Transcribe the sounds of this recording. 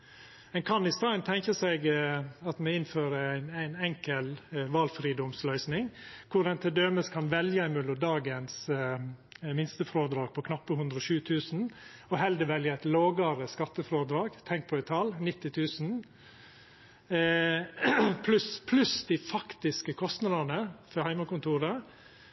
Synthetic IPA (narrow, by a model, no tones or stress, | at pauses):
mɛnkʰɑnɪst̪ɑːnt̪ʰɛŋkəsɛɪɡɑt̪mɛɪnføːɾəæɪnæɪnɛŋkəlʋɑːlfɾiːd̪ɔmslœʏsnɪŋkʰʊɾɛnt̪ʰɪld̪øːməskʰɑnʋɛljəæɪmʉlʊd̪ɑːɡəns | mɪnst̪əfɾoːd̪ɾɑːɡ̚pʰɔkʰnɑpːəhʉnd̪ɾɔʃʉːt̪ʰʉːsn̩ | ɔɦɛld̪əʋɛljəæɪt̪loːɡɑɾəskɑt̪ːəfɾoːd̪ɾɑːɡt̪ʰɛŋk̚pʰɔɪt̪ʰɑlnɪt̪ːɪt̪ʰʉːsn̩ | pʰlʉspʰlʉsd̪ɪfɑkt̪ɪskəkʰɔst̪nɑd̪ɑnəfɔhæɪmɑkʊnt̪ʰuːɾə